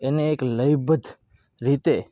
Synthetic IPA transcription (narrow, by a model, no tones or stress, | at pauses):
eneːkləjbəd̪ʱ | ɾit̪e